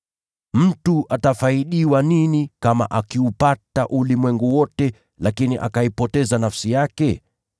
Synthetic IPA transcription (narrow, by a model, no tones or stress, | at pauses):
m̩tuʔatafaiɗiwaninikama̰ʔakiupataʔulimwɛŋɡuwɔtɛ | lakiniʔa̰kaipɔtɛzanafsijakɛ